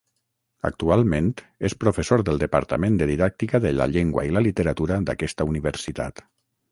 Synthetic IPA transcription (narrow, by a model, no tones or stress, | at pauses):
ə̰k̚t̪ualˠmẽnt̪ | espɾufesoɾðəlˠd̪əpə̰ɾt̪əmẽnd̪əðiðak̚t̪ikəðələ̰ʎeŋɡwa̰iləlit̪əɾat̪uɾəd̪a̰kɛst̪əuniβ̞əɾsit̪a̰t̪